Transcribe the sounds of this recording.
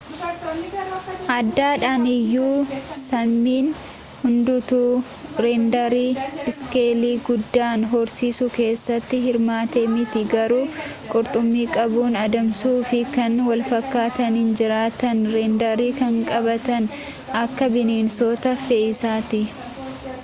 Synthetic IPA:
ʔɐd̪ːaːᶑaːnɪjːuːsɐmːiːn | hʊnd̪ʊt̪uː | ɾɛnd̪ɐɾiːɪskeːliːɡʊd̪ːaːnɦɔɾsiːsʊke̞ːsːɐt̪ːɪɦɪɾmaːt̪eːmɪt̪ɪɡɐɾuː | kʼʊɾt̪ʼʊmːiːkʼɐbuːnɐd̪ɐmsuːfɪkɐnwɐlfɐkːaːt̪ɐnɪnd͡ʒɪɾaːt̪ɐnɾɛnd̪ɐɾiːkɐŋkʼɐbɐt̪ɐn | ɐkːɐbɪneːnsoːt̪ɐfeːɪsaːt̪ɪ

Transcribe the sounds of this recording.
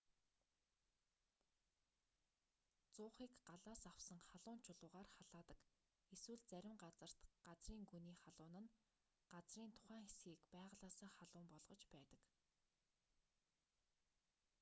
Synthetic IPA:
t͡sʊːχiːkɢaɮaːsawsə̆ŋχaɮʊːnt͡ɕʰʊɮʊːʁaːrχaɮ̥aːt̪ə̥̆k | eswɘ̆ɮt͡sæɾʲɪ̆mɢat͡sə̆r̥t̪ɢ̥at͡sriːŋɡuniːχaɮʊːnə̆n | ɢ̥at͡sriːnt̪ʰʊ̥χæːŋxesɡiːkpæːʁ̆ɮaːsaːχaɮʊːmpɔɮʁ̥ɞ̆t͡ɕpæːt̪ə̆k

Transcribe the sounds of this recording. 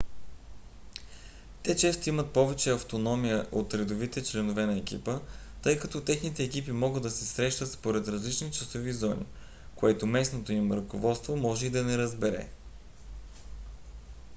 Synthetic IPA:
t̪ɛt͡ʃɛst̪oimət̪̚pɔvɛt͡ʃɛɐft̪onɔmijəʔot̪ɾɛd̪ovit̪ɛt͡ʃlɛnovɛnɐɛkḭpə | t̪ɤjkɐt̪ɔt̪ɛxnit̪ɛːkipimɔɡɤd̪ːɐsɛsɾɛʃt̪ət̪spoɾɛt̪ɾɐzlit͡ʃnit͡ʃɐsovizɔnḭ | koɛt̪omɛsnot̪oimɾəkovɔt̪st̪vomɔʒɛid̪ɐnɛɾɐzbɛɾɛ̰

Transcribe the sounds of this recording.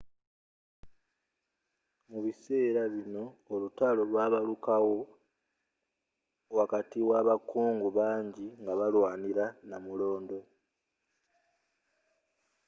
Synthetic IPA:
muβise̞ːɾaβino̞ːlutalo̞lwaːβalukawo̞ | wakatiwaβakuːŋɡuβaːɲɟiŋɡaβalwaːniɾanamulo̞ːndo̞

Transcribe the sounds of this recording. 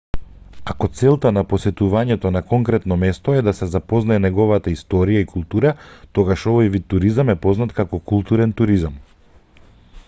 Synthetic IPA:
akɔt̪sɛlˠt̪anapɔsɛt̪uvaɲɛt̪ɔnakɔŋkɾɛt̪nɔmɛst̪ɔɛd̪asɛzapɔznaɛnɛɡɔvat̪aist̪ɔɾijaikulˠt̪uɾat̪ɔɡaʃɔvɔjvit̪ːuɾizamɛpɔznat̪kakɔkulˠt̪uɾɛnt̪uɾizam

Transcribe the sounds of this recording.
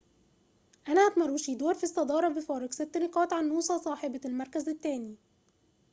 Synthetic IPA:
ʔænæʔat̪mɑrˤːuːʃid̪oːɾfisˤːɑd̪ɑːɾˤɑbɪfɑːɾˤɑɡsɪt̪ːnɪqɑːt̪ʕanːuːsˤɑsˤɑːħebɑlmɑɾˤkæzɪt̪ːæːni

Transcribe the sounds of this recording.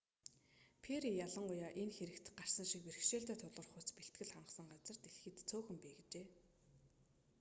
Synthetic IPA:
pʰeɾijaɮə̆ŋʊjaːʔenxeɾɘ̆kt̪ɢar̥sə̆nʃikper̆xʃeːɬt̪æːt̪ʰʊt̪ɮʁə̆rχʊt͡speɬt̪̚ɡɘ̆ɮχaɴɢə̆sə̆ɴɢat͡sə̆r̥t̪eɮxɘ̆t̪t͡sʰoːxɘ̆mpiːɡet͡ɕeː

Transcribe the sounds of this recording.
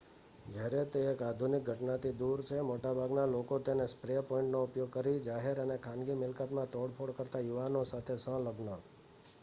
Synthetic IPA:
d͡ʒəɾet̪eːkad̪ʱunɪk̚ɡʱəʈnat̪ʰid̪uɾt͡ʃʰemoʈabʱaɡnalokot̪enespɾepoɪ̃ɳʈnoʊpjoɡ̚kəɾid͡ʒaɦeɾənekʰãnɡimɪlkat̪mãt̪oɽpʰoɽkəɾt̪ajuʋanosat̪ʰesə̃ləɡnə

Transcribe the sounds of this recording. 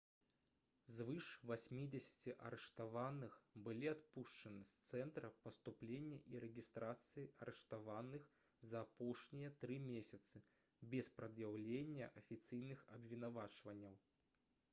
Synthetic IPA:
zvɨʂvasʲmʲid͡zʲesʲɐ̥t͡sʲiʔɐ̰ɾɛʂt̪avanɨxbɨlʲiat̪puʂt͡ʂɐnɨst̪sɛnt̪ɾɐpɐst̪uplʲenʲːɐʔiɾɛɡʲist̪ɾat̪sɨjiʔɐɾɛʂt̪avanɨx | zɐːpɔʂnʲijɐt̪ɾɨmʲesʲɐt̪sɨ | bʲɛspɾɐd̪jawlʲenʲːɐʔɐfʲit̪sɨjnɨxɐbvʲinavat͡ʂvɐnʲːɐw

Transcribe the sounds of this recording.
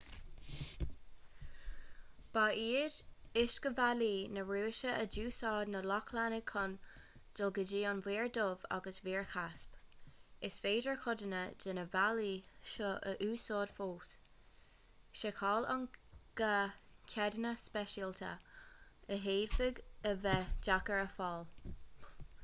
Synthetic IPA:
b̥aːiːɾɪʃɡ̥əvaliːnəɹuːɪʃəəd͡ʒuːsɑːdnəlɔkʰlanəkʰɔnd̥ɪlɡəd͡ʒiːɑnviːɹdova̰ɡəswiːɹkʰaspɪsveːdəɹkʰɔdənəd͡ʒɪnəvaliʃɔʔəʔuːsɔːd̥foːs | ʃəkʰɔːlɑ̰nɡ̥əkʰɛdənəspɛʃiltʰə̰ | əɦeːd̥fɪɡəvɛd͡ʒakəɹəfɑːl

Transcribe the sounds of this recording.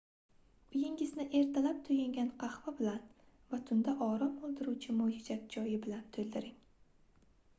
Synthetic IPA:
b̥ɪjɪŋʲɪznɪʔe̞ɾt̪ʰalap̚t̪ʰʊjɪŋɡʲanqʰɑhvabɪlan | vat̪ʰʊnd̪aʔɒɾɒmolˠd̪ɪɾuwt͡ʃʰɪmod͡ʒɪd͡ʒat̪̚d͡ʒɒjɪbɪlant̪ʰɵld̪ɪɾɪŋ

